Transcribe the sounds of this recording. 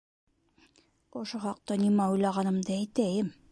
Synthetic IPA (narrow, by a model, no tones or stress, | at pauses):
ŏʃoχɑq̚t̪ɑnimæujlˠɑʁɑnɤ̆md̪ɤæjt̪æjɘm